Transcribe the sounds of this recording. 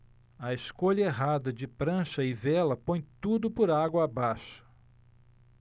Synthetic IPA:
ɐeskoʎɐeɦad̪ɐd͡ʒɪpɾɐ̃ʃɐɪvɛlɐpõj̃t̪ud̪ʊpoɾaɡwɐabaʃɐ̥

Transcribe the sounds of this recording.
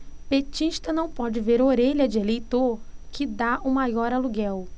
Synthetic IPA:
pet͡ʃiʃt̪ɐnɐ̃w̃pɔd͡ʒɪveɾoɾeʎɐd͡ʒɪelejt̪oɾkɪd̪aʔumajɔɾaluɡɛw

